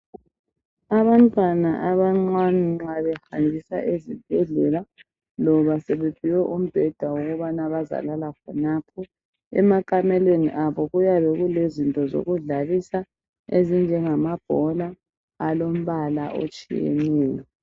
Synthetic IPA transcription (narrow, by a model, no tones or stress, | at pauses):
aβantʼwanaʔaβaŋ͡ǀaniaβɛhaŋʱisa̰ʔezib̥̚ʱɛɮɛla | lɔβasɛβɛb̥ʱiwɛʔum̩b̥ʱɛd̥ʱawoɣuβanaβaza̰lalakʰɔnapʰɔ | ɛ̰makʼamɛlweniʔaβɔɣujaβɛɣulezintʼɔzo̰ɣuɮalisa | ezind͡ʒʱɛŋamab̥ʱɔlaː | lom̩βalaʔo̰t͡ʃʼḭjḛniːlɛ